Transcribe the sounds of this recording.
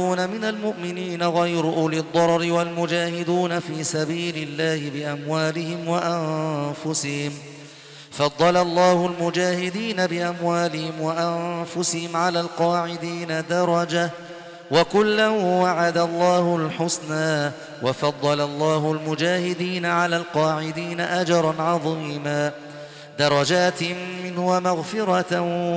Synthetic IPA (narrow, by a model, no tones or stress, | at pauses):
uːnamɪnalmʊʔmɪniːnaɣajɾʊʔʊlɪd̪ˤːɑɾˤɾɪwalmʊd͡ʒaːhɪd̪uːnafiːsabiːlɪlːaːhɪbɪʔamwaːlɪhɪmwaʔamfʊsɪhɪm | fɑd̪ˤːɑlalˤːɑːhʊlmʊd͡ʒaːhɪd̪iːnabɪʔamwaːlɪhɪmwaʔamfʊsɪhɪmʕalaːlqɑːʕɪd̪iːnad̪ɑɾˤɑd͡ʒa | wakʊlːawaʕad̪alˤːɑːhʊlħʊsnaː | wɑfɑd̪ˤːɑlalˤːɑːɦʊlmʊd͡ʒaːhɪd̪iːnaʕalaːlqɑːʕɪd̪iːnaʔad͡ʒɑɾˤɑnʕɑðˤiːmaː | d̪ɑɾˤɑd͡ʒaːt̪mmɪnhʊwamaɣfɪɾˤɑ